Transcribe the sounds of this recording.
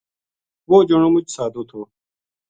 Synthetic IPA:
woːd͡ʑoɳoːmʊt͡ʃsaːd̪oːt̪ʰoː

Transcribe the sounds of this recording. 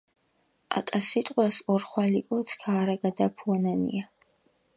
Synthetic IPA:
a̰kʼasit̪ʼqʼwasɔrχwalikʼɔt̪sʰkʰaːɾaɡad̪apʰɔnanḭa

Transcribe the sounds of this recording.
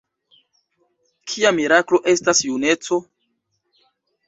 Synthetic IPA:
kʰiamiɾaklo̞ʔe̞stasjune̞t͡so̞

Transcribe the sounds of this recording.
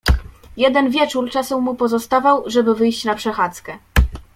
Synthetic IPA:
jɛd̪ɛnvʲjɛt͡ʂuɾt͡ʂasɛmupɔzɔst̪avawʐɛbɘvɘjɕt͡ɕnapʂɛxat̪skɛ

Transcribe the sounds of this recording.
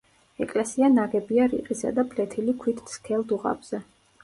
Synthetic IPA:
ɛkʼlɛsianaɡɛbiaɾḭqʼisa̰d̪apʰlɛt̪ʰilikʰwit̪ʰskʰɛlˠd̪uʁa̰bz̥ɛ

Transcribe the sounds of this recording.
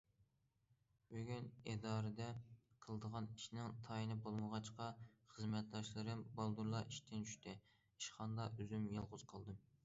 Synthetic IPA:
bøɡʲyned̪ɑːɾɨd̪ɛqʰəlˠəd̪əʁɑniʃnɪŋt̪ʰɑjinɨbolˠməʁɑt͡ʃqɑχəzmɛt̪̚d̪ɑʃlˠɨɾɨmbɑlˠd̪uɾlˠɑiʃt̪ʰɪnt͡ʃʰy̥ʃt̪ʰɪ | iʃχɑnd̪ɑʔøzymjɑlˠʁʊz̥qʰəlˠd̪ɨm

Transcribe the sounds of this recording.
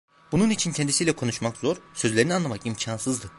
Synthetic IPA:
bununit͡ʃʰincʰɛnd̪isijlʲɛkʰo̞nuʃmakzoɾsø̞zlʲe̞ɾinianlˠamakimcʰansɯzd̪ɯ

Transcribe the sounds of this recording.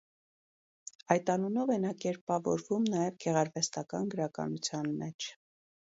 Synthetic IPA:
ɑjt̪ɑnunɔvɛnɑkɛɾpɑvɔ̰ɾvumnɑjɛvɡɛʁɑɾvɛst̪ɑkɑnɡəɾɑkɑ̰nut͡sʰjɑnmɛt͡ʃʰ

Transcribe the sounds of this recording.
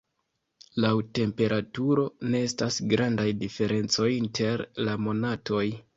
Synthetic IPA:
lawte̞mpe̞ɾatuɾo̞ne̞estasɡɾandajdife̞ɾʔe̞nt͡so̞jintʰe̞ɾlamo̞nato̞j

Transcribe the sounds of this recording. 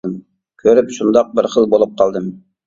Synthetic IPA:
m | kʲʰøɾɪpʃund̪ɑq̚bɪɾχəlˠbolˠup̚qʰɑlˠd̪ɨm

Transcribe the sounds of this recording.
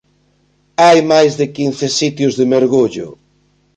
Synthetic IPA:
ajmajzðɪkin̟θɪsit̪jʊzðɪmeɾɣuʎʊ̰

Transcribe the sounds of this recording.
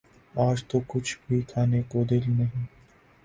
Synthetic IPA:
aːd͡ʒt̪okʊt͡ʃʰbʱikʰaːnekod̪ɪlnɐɦĩː

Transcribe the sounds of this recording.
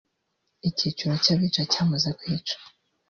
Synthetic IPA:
icit͡ʃuɾocaβiːt͡ʃacaːmuzakwiːt͡ʃḁ

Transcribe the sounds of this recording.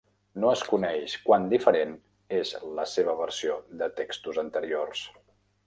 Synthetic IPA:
noəskunɛʃkwand̪ifəɾen | ezləseβ̞əβəɾsiod̪ət̪ekst̪uzənt̪əɾiors

